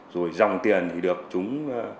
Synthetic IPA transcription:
zo˨˩jza˨˧˩wŋ͡mt̪i˨˩ənt̪ʰi˨˩ɗɨ˨˩ək̚t͡ɕʊ˨˦ŋ͡m

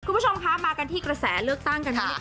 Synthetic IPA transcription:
kʰu˧˥˩o˧mkʰa˦˥maː˧ka˧nt̪ʰiː˥˩kɾa˧sɛː˩˦lɯ˥˩ək̚t̪a˥˩ŋka˧n˥˩

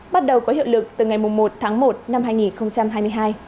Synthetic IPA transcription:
ɓa˦˥t̚ɗə˨˩wkɔ˨˦ɦḭ˧˨wlɨ˨˩k̚t̪ɨ˨˩ŋa˨˩jmʊ˨˩ŋ͡mmo˨˩t̚t̪ʰaː˨˦ŋmo˨˩t̚na˧mɦaː˧jŋi˨˩nxə˧wŋ͡mt͡ɕa˧mɦaː˧jmɨ˧əjɦaː˧j

